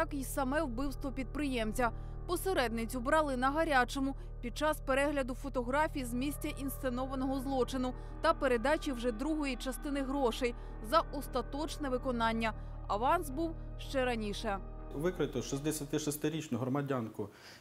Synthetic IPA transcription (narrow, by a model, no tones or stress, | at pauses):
jɑkisɐmɛwbɪwst̪ʋɔpʲid̪̚pɾɪjɛmt͡sʲɐ | pɔseɾɛd̪nɪt͡sʲʊbɾɑlˠɪnɐɦɐɾʲat͡ʃɔmʊ | pʲid̪̚t͡ʃɑspeɾɛɦlʲɐd̪ʊfɔt̪ɔɦɾɑfʲijizmʲisʲtʲɐʔinst̪enɔʋɐnɔɦɔzlˠɔt͡ʃɪnʊ | t̪ɐpeɾed̪ɑt͡ʃʲiwʒɛd̪ɾuɦɔjit͡ʃɐst̪ɪnɪɦɾɔʃej | zɐʔɔst̪ɐt̪ɔt͡ʃnɛʋɪkɔnɑnʲːɐ | ɐʋɑnsbuwʃt͡ʃɛɾɐnʲiʃɛʋɪkɾɪt̪ɔʃisd̪esʲɐt̪ɪʃɔst̪ɪɾʲit͡ʃnʊɦɾɔmɐdʲankʊ